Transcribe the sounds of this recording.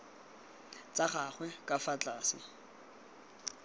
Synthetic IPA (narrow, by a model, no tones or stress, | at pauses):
t͡sʼaχaχwɛkʼafat͡ɬʼaːsɪ̰